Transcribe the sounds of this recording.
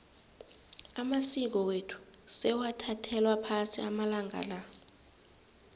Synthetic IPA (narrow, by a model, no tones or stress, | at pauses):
amasik̬ɔwetʰu̥sɛwatʰatʰɛlwapʰasiamalaŋa̰la